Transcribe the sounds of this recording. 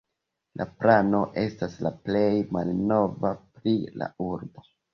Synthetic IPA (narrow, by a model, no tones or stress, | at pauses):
lʔa̰plano̞ʔe̞staslaple̞jmalno̞vapɾila̰uɾbo̞